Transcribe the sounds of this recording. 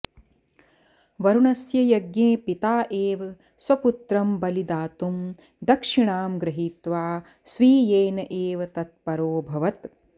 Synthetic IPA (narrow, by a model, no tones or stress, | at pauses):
ʋɐɾuɳɐsjɐjɐɡneːpit̪aːʔeːʋɐ | swɐput̪ɾɐmbɐlid̪aːt̪um | d̪ɐkʂiɳaːmɡɾɐɦiːt̪ʋaː | sʋiːjeːnɐʔeːʋɐt̪ɐt̪̚pɐɾoːbʱɐʋɐt̪